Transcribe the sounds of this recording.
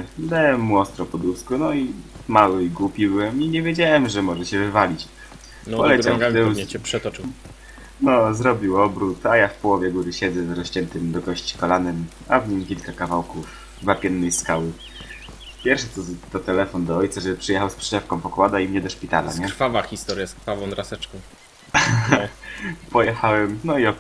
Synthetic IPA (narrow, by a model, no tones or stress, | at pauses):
d̪awɛmːuɔst̪ɾɔpɔd̪uskunɔimawɘiɡwupʲibɘwɛmiɲɛvʲjed͡ʑawɛmʐɛmɔʐɛɕɛvɘvalʲit͡ɕ | pɔlɛt͡ɕamt̪ɛpʂɛt̪ɔ | nɔzɾɔbʲiwɔbɾut̪ajafpɔwɔvʲjɛɡuɾɘɕɛd̪zɛzɾɔɕt͡ɕɛnt̪ɘmd̪ɔɡɔɕt͡ɕi̥kɔlanɛm | avɲimkʲilkakavawkuf | vapʲjɛnːɛjskawɘ | pʲjɛɾfʂɛt̪ɔt̪ɔt̪ɛlɛfɔnd̪ɔɔjt̪saʐɛbɘpʂɘjɛxawspʂɛ̥ɛfkɔ̃w̃pɔkwad̪aimɲɛd̪ɔʂpʲit̪a̰la̰ɲɛkɾfavaxʲist̪ɔɾʲjaskɾfavɔ̃d̪ɾasɛt͡ʂkɔ̃w̃ | pɔjɛxawɛmnɔiɔ